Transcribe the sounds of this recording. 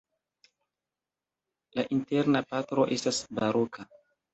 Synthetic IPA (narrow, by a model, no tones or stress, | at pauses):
laʔintɛɾnapatɾoʔestasbaɾukʰa